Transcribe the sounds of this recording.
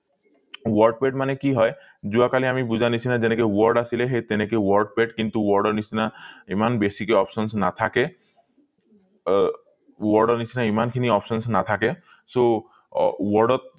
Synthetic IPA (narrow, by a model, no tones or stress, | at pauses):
wɔɾɖ̚peʈmanekiɦɔe | d͡ʒuakaliamibud͡ʑʱanit͡ɕʰinad͡ʑenekewɔɾɖasileɦet̪enekewɔɾɖ̚peʈkint̪uwɔɾɖɔɾnisʰinaimanbesikeɔpsɔnsnat̪ʰake | wɔɾɖɔɾnit͡ɕʰinaimankʰiniɔpsɔnsnat̪ʰake | so | wɔɾɖɔt̪̚